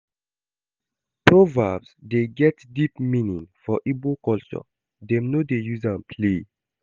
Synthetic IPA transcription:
pɹɔvabsdeɡɛtdipmĩnĩŋfɔʔibokɔlt͡ʃɔ̰ | dɛ̃mnodejuzãnpʰle

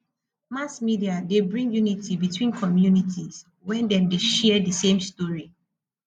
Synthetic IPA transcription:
masmidiadebɹĩŋɡjunitʰibitʰwĩnkʰɔmjunitʰiz | wɛ̃ndɛ̃mdeʃɛdisẽmstɔɹi

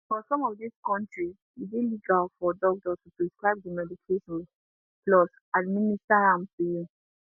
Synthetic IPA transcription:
fɔsɔ̃mɔvðiskɔ̃ntɹi | iziliɡalfɔdɔk̚dɔtupɹiskɹaɪb̚dimɛdikʰeʃɔ̃n | plɔs | administaɹãmfiju

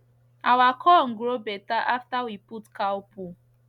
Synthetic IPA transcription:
awakʰɔŋ̩ɡɾobɛtaʔaftawiputkawpu

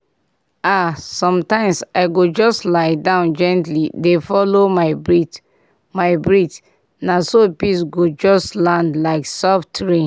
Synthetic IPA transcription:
asɔ̃mtãɪ̃msaɪɡod͡ʒɔstlaɪdãʊ̃nd͡ʒɛ̃ntlidefɔlomaɪbɹit | maɪbɹit | nasopisɡod͡ʒɔstlãndlaɪksɔftɹi

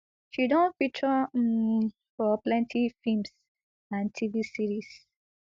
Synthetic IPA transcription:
ʃidɔ̃nfit͡ʃɔ | fɔplɛ̃ntʰifims | ãntʰivisiɹis

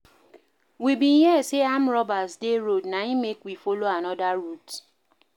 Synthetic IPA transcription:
wibĩnjɛseamɾɔbasdeɾodnaimekwifoloanɔdaɾut

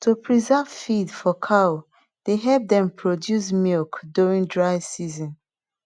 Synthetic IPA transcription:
tʰupʰɹizav̥fidfɔkʰao | d̥eɦɛlp̚dɛ̃mpʰɹodjus̬milkduɹĩŋdɹaɪsizɔ̃n

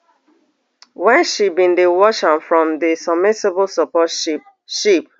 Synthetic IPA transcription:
wɛ̃nʃibĩndewɔʃãmfɹɔ̃mdisab̚mɪsebolsɔpɔt | ʃip̚

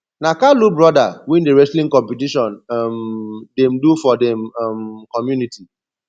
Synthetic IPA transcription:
nakalubɹɔdawĩndeɹɛslĩŋkɔ̃mpitiʃɔ̃nmdɛmdufɔdɛ̃mmkɔmjuniti

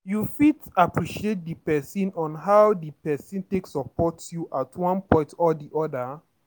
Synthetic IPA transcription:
jufitapɹiʃiet̚dipɛsĩnɔ̃nɦawdipɛsĩnteksɔpɔtjuʔatʰwɔ̃npɔ̃ɪ̃ntɔdiʔɔda

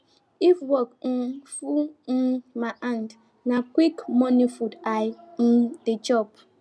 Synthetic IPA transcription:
ifwɔkn̩fu | maʔand | nakwikmɔnifudaj̩ | ded͡ʒɔp̚

